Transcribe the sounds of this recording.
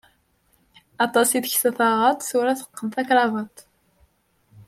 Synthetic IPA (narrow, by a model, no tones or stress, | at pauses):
ɑt̪ˤɑsiðçθæθɑʁɑt̪ˤθuɾæθə̥qːəmθækɾˤɑvɑt̪ˤ